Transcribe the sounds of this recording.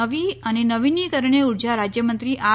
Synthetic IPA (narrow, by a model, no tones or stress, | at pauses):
əʋiənenəʋinikəɾɳeuɾd͡ʒaɾad͡ʒjəmənt̪ɾiʔa